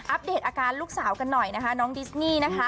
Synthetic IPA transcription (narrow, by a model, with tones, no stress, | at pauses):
ʔa˦˥p̚deː˨˩t̪̚ʔaː˧kaː˧nluː˥˩k̚saː˩˦wka˧nːɔ˨˩jna˦˥kʰa˦˥nɔː˦˥ŋdi˦˥sniː˥˩na˦˥kʰa˦˥